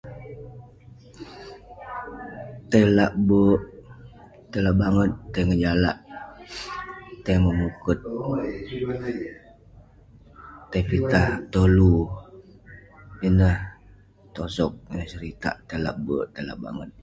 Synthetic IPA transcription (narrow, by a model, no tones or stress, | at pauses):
t̪əjlaʔbəʔ | t̪əlaʔbaŋət̪̚ːəjŋəd͡ʒalaʔ | t̪ːəjməmukʊt̪̚ | t̪ajpit̪aht̪olu | inəh | t̪osɔk̚nəsəɾit̪a̰ʔt̪əla̰ʔbəʔt̪əla̰ʔba̰ŋət̪̚